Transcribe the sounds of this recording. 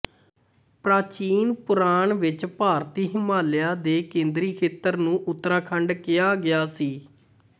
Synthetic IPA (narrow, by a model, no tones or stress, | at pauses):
pɾaːt͡ʃiːnpʊɾaːɳʋɪt͡ʃpaːɾt̪iːɦɪmaːlɪjaːd̪eːkẽːnd̪ɾiːkʰeːt̪əɾnũːʔʊt̪ːɾaːkʰəɳɖkɪjaːɡɪjaːsiː